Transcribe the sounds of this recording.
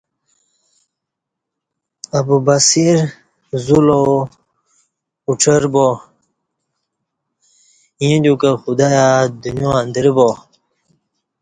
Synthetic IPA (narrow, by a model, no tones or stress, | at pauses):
ɐbubasiɾ | zulo | uʈ͡ʂʰəɾbo | ĩd̪ukaxud̪ajad̪unjoand̪əɾbo